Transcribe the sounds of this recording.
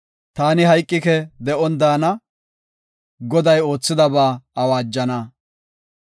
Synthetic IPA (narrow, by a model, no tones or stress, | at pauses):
t̪aːnɪɦɐjkʼːɪkɛd̪ɛʔɔnd̪aːnɐ | ɡɔd̪ɐjo̞ːt͡sːɪd̪ɐbaːɐwaːd͡ʒːɐnɐ